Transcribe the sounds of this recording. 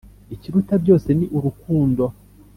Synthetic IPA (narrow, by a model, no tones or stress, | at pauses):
iciɾutabɟo̞ːse̞niʔuɾukuːndo̞